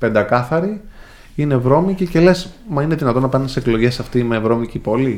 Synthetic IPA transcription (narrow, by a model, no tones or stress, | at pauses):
pe̞nd̪ɐkɐθɐɾi | ine̞vɾo̞micice̞lesmɐineðinɐt̪o̞nɐpɐnɐnsseklo̞ʝe̞sɐft̪ime̞vɾo̞micipo̞li